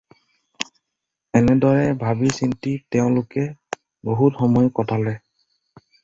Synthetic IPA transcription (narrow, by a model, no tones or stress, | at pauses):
ɛnɛdɔɹɛbʱabisintitɛʊ̃lʊkɛ | boɦutxɔmɔjkɔtʰalɛ